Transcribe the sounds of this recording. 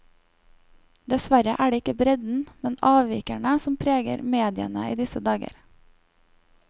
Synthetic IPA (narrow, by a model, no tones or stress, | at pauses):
d̪ɛsʋæɾəʔæːɖeːɪkəbɾɛd̪n̩mɛnɑːʋʋiːkæɳəsɔmpʰɾeːɡə̰ɾmeːd̪ɪə̰nəiːd̪ɪsəd̪ɑːɡə̰ɾ